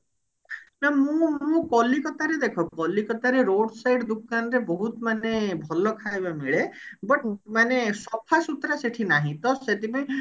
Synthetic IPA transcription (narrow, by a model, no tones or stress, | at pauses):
namũmũkɔlikɔt̪aɾed̪ekʰɔkɔlikɔt̪aɾeɾoɖsajɖd̪ukanɔɾebɔɦut̪manebʱɔlɔkʰaebamiɭebəʈmanesɔpʰasut̪ɾaseʈʰinaɦĩt̪ɔset̪ipɔj̃